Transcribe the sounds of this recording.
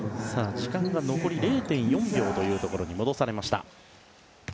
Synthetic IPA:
saːd͡ʑikãŋɡano̞ko̞ɾʲiɾe̞ːt̪ẽ̞ɰ̃jõ̞mbʲo̞ːt̪o̞jɯ̟ːt̪o̞ko̞ɾo̞ɲ̟imo̞d̪o̞saɾe̞maɕi̥t̪a̰

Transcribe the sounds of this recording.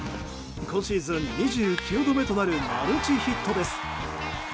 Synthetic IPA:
ɡõɕiːzɨ̃nɲiʑɨːkʲuːd̪o̞me̞t̪o̞naɾɯ̟ma̰ɾɯ̟t͡ɕiçit̪ʰːo̞d̪e̞sɨ̥

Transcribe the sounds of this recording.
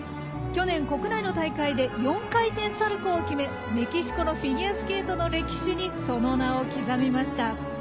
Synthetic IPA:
kʲo̞nẽ̞ŋko̞kɯ̟naino̞t̪aikaid̪e̞jõ̞ŋkait̪ẽ̞ɰ̃saɾɯ̟koːkʲime̞ | ɾe̞kʲiɕi̥ko̞no̞ɸʲiɲʲiasɨ̥ke̞ːt̪o̞no̞ɾe̞kʲi̥ɕiɲ̟iso̞no̞nao̞kʲizamʲimaɕi̥t̪a

